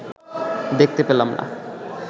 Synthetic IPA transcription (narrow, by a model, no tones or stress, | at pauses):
d̪ek̚t̪epelamna̰